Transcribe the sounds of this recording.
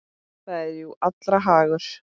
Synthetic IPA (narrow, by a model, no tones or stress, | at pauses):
θaɛɾjuʔat̪lɾaɦaːɣʏɾ̥